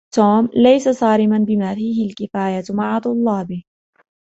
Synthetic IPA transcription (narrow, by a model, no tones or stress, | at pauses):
t̪oːmlajsasɑːɾɪmanbɪmaːfiːhɪlkɪfaːjamaʕat̪ˤʊlːɑːbɪ